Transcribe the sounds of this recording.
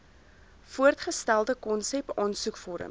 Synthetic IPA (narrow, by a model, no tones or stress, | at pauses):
fuərtχəstælˠdəkɔnsɛpɑːnsukfɔɾə̰m